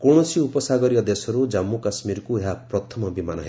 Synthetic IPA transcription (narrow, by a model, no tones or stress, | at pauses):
kowɽ̃ɔsiupɔsaɡʌɾiʌd̪esɔɾud͡ʒamːukasmiɾkueɦapɾɔt̪ʰɔmɔbimanʌ̰ɦe